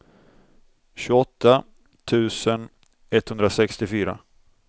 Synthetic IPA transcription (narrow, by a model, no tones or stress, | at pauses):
ɕɵɔt̪ʰːa | t̪ʰʉ̟ːsən | ɛt̪hɵnd̪ɾasɛkst̪ɪfyːɾa̰